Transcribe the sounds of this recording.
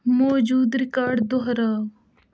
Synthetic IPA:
moːd͡ʒuːd̪ɾɪkaːɾɖd̪oɦɾaː

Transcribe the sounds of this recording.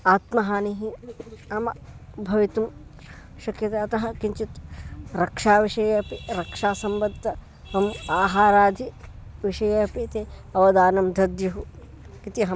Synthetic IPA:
aːt̪mɐɦaːniɦiɐmɐbʱɐʋit̪um | ʃɐkjɐt̪eɐt̪ɐɦɐkiɲt͡ʃit̪ɾɐkʂaːʋiʂɐjɐːpiɾɐkʂaːsɐmbɐd̪ʱːɐ | ɦɐmaːɦaːɾaːd̪ʱiʋiʂɐjɐpit̪eːɐʋɐd̪aːnɐmd̪ʱɐd̪juɦu | kit̪iɦɐ

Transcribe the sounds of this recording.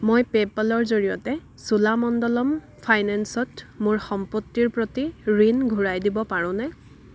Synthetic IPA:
mojpepalɔɹzoɹijɔ̰tɛ | sulamɔndɔlɔm | pʰajnɛnsɔtmʊɹxɔmpɔtːiɹpɹotiɹinɡʱuɹajdibɔpaɹʊ̃nɛ

